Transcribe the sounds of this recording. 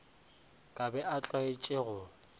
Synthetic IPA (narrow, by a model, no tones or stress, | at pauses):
kʼabɛʔat͡ɬʼɔet͡ʃʼeɣʊ